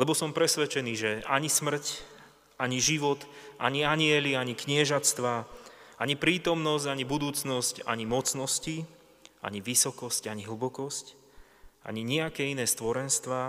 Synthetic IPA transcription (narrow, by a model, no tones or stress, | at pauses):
lɛbɔsɔmpɾɛsʋɛt͡ʃɛniːʒɛaɲismr̩c | aɲiʒiʋɔt̪ʔa̰ɲiaɲɪɛliaɲikɲɪɛʒat͡st̪ʋaːaɲipɾiːt̪ɔmnɔs̬ɟaɲibud̪uːt͡snɔsca̰ɲimɔt͡snɔsci | ʔa̰ɲiʋisɔkɔscaɲiɦl̩bɔkɔsc | ʔa̰ɲiɲɛakɛːinɛːst̪ʋɔɾɛnst̪ʋaː